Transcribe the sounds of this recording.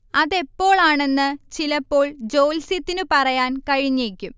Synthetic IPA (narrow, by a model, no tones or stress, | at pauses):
ɐðe̞pːo̞ːɭaːɳe̞nːɨt͡ɕilɐpːo̞ːɭd͡ʑo̞ːlsit̪ːinɨpɐrɐjaːnkɐɻiɲːeːkʲːum